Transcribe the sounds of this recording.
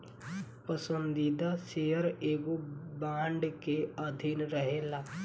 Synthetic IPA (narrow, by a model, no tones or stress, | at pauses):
pəsə̃nd̪id̪asejəɾeːɡobaːɳɖkeəd̪ʱinɾəɦeːlaː